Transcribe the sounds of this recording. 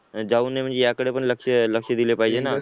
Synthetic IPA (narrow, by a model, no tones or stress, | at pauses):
d͡ʒaunem̤ə̃ɳd͡ʑejakəɽepəɳləkʃələkʃəd̪ilepaid͡ʒena